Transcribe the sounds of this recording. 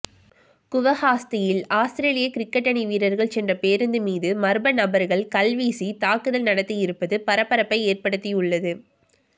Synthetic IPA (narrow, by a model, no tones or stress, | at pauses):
kʊʋɐɣaːst̪ɪjɪlaːst̪ɪɾeːlɪjɐkɪɾɪkːɛʈːɐniʋiːɾɐɾɣɐɭsɛndrɐpeːɾɯnd̪ɯmiːðɯmɐɾɯbɐnɐbɐɾɣɐɭkɐlʋiːsit̪aːkɯðɐlnɐɽɐt̪ːɪjɪɾɯpːɐðɯpɐɾɐpːɐɾɐpːɐɪeːrpɐɽɯt̪ːɪjʊɭːɐðɯ